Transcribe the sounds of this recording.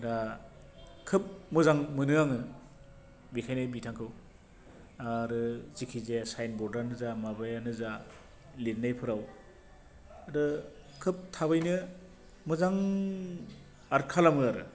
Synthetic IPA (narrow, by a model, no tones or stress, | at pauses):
ɾa | kʰɯp̚mɯzaŋmɯnɯaŋɯ | bikʰajnɯjbitʰaŋkʰɯw | aɾɯzikʰizesajnbɔɾdaɾnɯzamabajanɯza | litnajpʰɯɾaw | ɾɯ | kʰɯp̚tʰaβɯjnɯ | mɯzaŋ | aɾkʰalamɯaɾɯ̰